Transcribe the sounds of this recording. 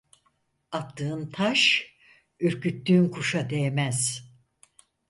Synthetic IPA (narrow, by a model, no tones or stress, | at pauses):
at̪ʰːɯːɯnt̪ʰaʃ | øɾcʰyt̪ːyːnkʰuʃad̪eemæz̥